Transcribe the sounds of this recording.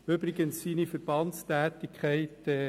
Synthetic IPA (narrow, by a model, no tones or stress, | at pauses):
ybɾɪɡənsːiːnifəɾb̥ɑntstæːt̪ɪkʰχæɪtː